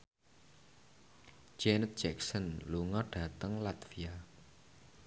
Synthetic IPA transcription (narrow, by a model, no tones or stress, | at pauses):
d͡ʒɛnt̪̚d͡ʒɛk̚sənluŋɔɖ̥a̤t̪əŋlat̪fia